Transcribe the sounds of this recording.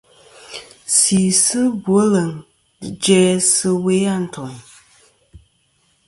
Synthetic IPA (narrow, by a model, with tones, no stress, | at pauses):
siː˨sɨ˦bu˨o˦lə˨ŋ˨ | d͡ʒɛː˦sɨ˦we˦a˦˨n̩˨tʰɔ˨ŋ